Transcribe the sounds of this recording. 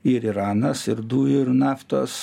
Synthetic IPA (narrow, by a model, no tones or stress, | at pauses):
ɪɾiɾɑːnɐsɪɾd̪uːɪɾnɑːft̪o̰ːs